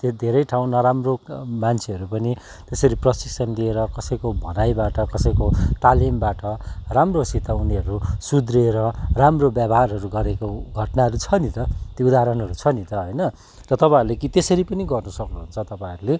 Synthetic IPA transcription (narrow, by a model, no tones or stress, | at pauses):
t̪od̪ʱeɾʌjʈʰaw̃nʌɾamromant͡sʰeʌɾupʌni | t̪esʌɾiprʌsiksʌnlieɾʌkʌsʌjkobʱʌnajbaʈʌkʌsʌjkot̪alimbaʈʌramrosit̪auniɦʌɾusud̪reɾʌramrobjabɦarɦʌɾuɡʌɾekoɡʱʌʈnaɦʌɾut͡sʰʌnit̪ʌt̪joud̪aɦɾʌnɦʌɾut͡sʰʌnit̪ʌɦʌjnʌ | rʌt̪ʌpãɾulekit̪esʌɾipʌniɡʌrnʌsʌknuɦunt͡sʰʌt̪ʌpãɾule